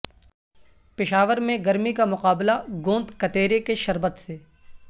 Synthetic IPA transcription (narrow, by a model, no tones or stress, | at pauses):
pɪʃaːʋəɾmẽɡɐɾmikamʊqaːblaɡõːnd̪kɐt̪eːɾekeʃɐɾbət̪seː